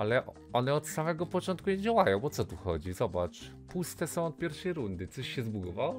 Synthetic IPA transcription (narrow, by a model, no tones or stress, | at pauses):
alɛʔ | ɔnɛɔt̪samɛɡɔpɔt͡ʂɔnt̪̚kuɲed͡ʑawajɔ̃w̃pɔt̪sɔt̪uxɔd͡ʑizɔbat͡ʂ | pust̪ɛsɔ̃w̃ɔt̪̚pʲjɛɾfʂɛjɾund̪ɘt̪sɔɕɕɛzbuvaw